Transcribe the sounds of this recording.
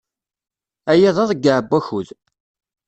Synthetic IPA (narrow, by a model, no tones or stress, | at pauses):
æjæðˤɑðˤəɡaʕəbːæçuð